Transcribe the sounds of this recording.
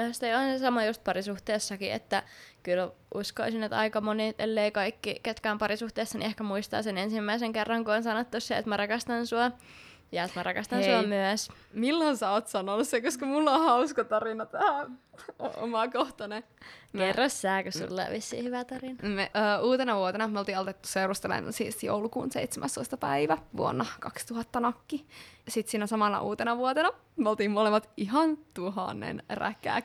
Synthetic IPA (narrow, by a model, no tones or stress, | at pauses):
yst̪eoensesɑmɑjust̪̚pɑrisuht̪eːsːɑkiḛt̪ːækylʔuskoisinːet̪ɑ̰ikɑmonit̪ʔḛlːeikɑikːiket̪kæːmpɑrisuht̪eːsːɑnḭehkæmuist̪ɑ̰ːsenensimːæiseŋkerːɑŋkuonsɑnot̪ːusseḛt̪mærɑkɑst̪ɑnsuɑ | jɑet̪mærɑkɑst̪ɑnsuɑmyæs | milːonsæoːt̪sɑnonussekoskɑmulːõhɑuskɑt̪ɑrinɑt̪ɑo̰o̰mɑkoht̪ɑne | kerːosːæːkosṵlːḛʋisːḭhyʋæt̪ɑrinɑmeːuːt̪enɑʋuot̪enɑmolt̪iːolt̪et̪ːu̥seurust̪elḛnsisjo̰wlukṵːnsḛijt̪semʔæst̪oist̪ɑpæ̰iʋæʋṵonːɑkɑkst̪uhɑt̪ːɑnɑkːijɑsit̪siːnæsɑmɑnɑ̰ʔuːt̪enɑʋuot̪enɑ | meolt̪iːmmolemːɑt̪iɦɑnt̪uɦɑ̰nːḛnræ̰kːˑæ̰ː